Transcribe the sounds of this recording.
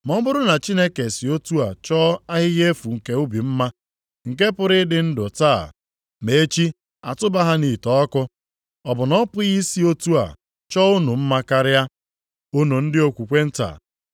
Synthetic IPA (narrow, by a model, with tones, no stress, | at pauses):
mɔ˦bʊ˦ɾʊ˦na˨t͡ʃi˦ne˦ke˨si˨o˦tu˦a˨t͡ʃɔː˦a˦ɦɪ˦ɣe˦fu˨ŋ̩˨ke˨u˦bi˨m̩˦ma˦ | ŋ̩˨ke˦pʊ˦ɾɪ˦dɪ˦n̩˦dʊ˨taː˦˨ | me˨e˦t͡ʃi˦ | a˨tʊ˦ba˦ɦa˦ni˨tɔ˦kʊ˦ | ɔ˨bʊ˨nɔ˦pʊ˦ɣi˦si˦o˦tu˦a̰˨ | t͡ʃɔ˦ʊ˦nu˨m̩˦ma˦ka˦ɾɪ˦ja˦ | ʊ˦nu˨n̩˦dɪ˦o˦kʷu˨kʷe˦n̩˦ta̰˨